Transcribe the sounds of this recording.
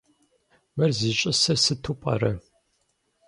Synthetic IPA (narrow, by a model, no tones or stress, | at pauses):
mɐrzit͡ʃʼɪsɐrsɨtʰupʼɐ̰ɾɐ